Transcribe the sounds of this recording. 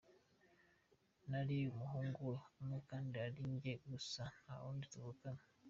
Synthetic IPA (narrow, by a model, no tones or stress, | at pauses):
naɾijumuɦuːŋɡulomukaːndiaɾiɲɟeɡusanha̰wondituβukana